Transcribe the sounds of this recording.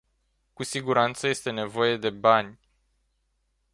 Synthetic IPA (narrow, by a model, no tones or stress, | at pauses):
kusiɡuɾant̪səje̞st̪e̞ne̞vo̞je̞d̪e̞banʲ